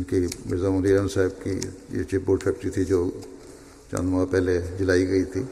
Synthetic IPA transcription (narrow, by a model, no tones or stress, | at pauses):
nkimɪzəmʊliːɾənsaːɦɪb̚kḭjḛt͡ʃipboːɾɖpʰɛːk̚ʈɾit̪ʰid͡ʒoː | t͡ʃã̰nd̪mapɛɦled͡ʒɪlaːiɡɐit̪ʰiː